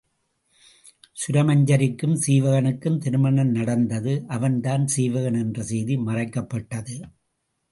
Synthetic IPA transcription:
sʊɾɐmɐɲd͡ʒɐɾɪkːɯmsiːʋɐɣɐɳɯkːɯmt̪ɪɾɯmɐɳɐnnɐɽɐnd̪ɐðɯʔɐʋɐnt̪aːnsiːʋɐɣɐɳɛndrɐsɛjðimɐrɐɪkːɐpːɐʈːɐðɯ

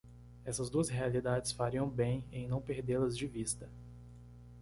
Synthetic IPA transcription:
ɛsɐzd̪uɐsɦealid̪ad͡ʒɪsfaɾiɐ̃w̃bẽj̃ẽj̃nɐ̃w̃peɾd̪elɐzd͡ʒɪvist̪ɐ

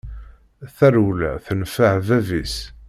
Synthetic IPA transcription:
θæɾulæ̰θənfəʕvævis

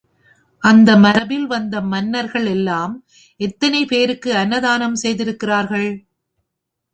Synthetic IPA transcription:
ʔɐnd̪ɐmɐɾɐbɪlʋɐnd̪ɐmɐnːɐɾɣɐɭɛlːaːm | ʔɛt̪ːɐnɐɪpeːɾɯkːɯɐnːɐðaːnɐmsɛjðɪɾɯkːɪraːɾɣɐɭ

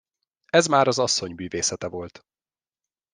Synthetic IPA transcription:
ɛzmaːɾɒzɒsːo̞ɲmyːveːsɛt̪ɛvo̞lt̪

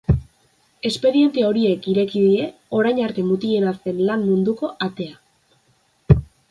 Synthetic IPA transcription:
e̞spe̞ðie̞nt̪eao̞ɾie̞kiɾe̞kiðie̞o̞ɾajɲaɾt̪e̞mut̪ie̞nase̞nlammund̪uko̞ʔat̪e̞a

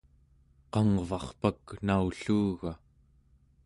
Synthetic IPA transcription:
qɑŋvɑχpaknauɬuːɣa

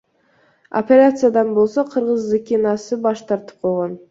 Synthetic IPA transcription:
o̰pʲeɾʲat̪sɨjad̪ɑnbo̞lˠsoqʰɯɾʁəzzekʲinɑsɨbɑʃt̪ʰɑɾt̪ɯ̥p̚qʰolˠʁon

